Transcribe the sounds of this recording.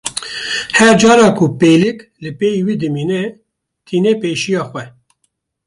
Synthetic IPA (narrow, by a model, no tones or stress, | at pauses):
hɛɾd͡ʒɑːɾɑːkʰʊpeːlɪklɨpeːjiwiːd̪ɨmiːnɛ | t̪ʰiːneːpeːʃijɑːxwɛ